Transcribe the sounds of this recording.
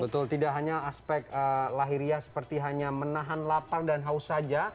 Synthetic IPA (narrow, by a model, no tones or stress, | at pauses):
bət̪ʊlt̪idaʔɦaɲaːspɛk̚əlaɦiɾiasə̥pərt̪iɦaɲamənaɦanlapardanɦausad͡ʒa